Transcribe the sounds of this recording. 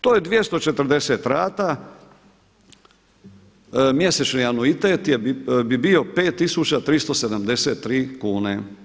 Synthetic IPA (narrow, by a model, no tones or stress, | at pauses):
t̪oːjed̪ʋje̞st̪o̞t͡ʃet̪ɾ̩d̪e̞seːt̪ɾaːt̪a | mje̞set͡ʃnianuit̪et̪jebibio̞peːt̪ːisut͡ɕat̪ɾist̪o̞sed̪amd̪e̞seːt̪ːɾiːkuːne